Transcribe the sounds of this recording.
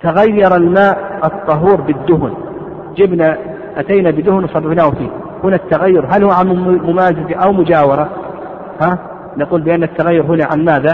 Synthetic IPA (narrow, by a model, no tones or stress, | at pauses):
t̪aɣajːɑɾˤɑlmaːʔɨt̪ˤːɑɦuːɾbɪd̪ːʊɦʊn | d͡ʒɪbna | ʔat̪ajnabɪd̪ʊhʊnwsˤɑbːɪbnaːhʊfḭː | hʊnat̪ːaɣajːʊɾɦalhʊwʕammʊmaːzɪzaʔawmʊd͡ʒaːwɑɾˤɑ | haː | naquːlbɪʔanːat̪ːaɣajːʊɾɦʊnaʕa̰nmaːða